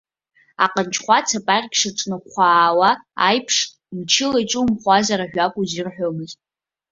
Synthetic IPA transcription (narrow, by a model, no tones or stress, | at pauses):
a̰qʼənt͡ʃʰχʷat͡sʰapʼarʲkʲʂaʈ͡ʂʼnɨqʷʰaːwa̰ːjpʰʂʼ | mt͡ʃʰɪlajʈ͡ʂʼumχʷazaɾaʒᶣakʷʼuzirħʷᶣomɨz